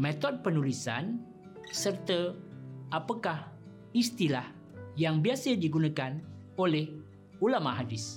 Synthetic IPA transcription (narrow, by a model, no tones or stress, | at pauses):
mẽt̪ɔd̚pənulisa̰n | sərt̪ə | apakah | ist̪ilah | jaŋbiasədiɡunakan | olɛh | ulamaɦadɪs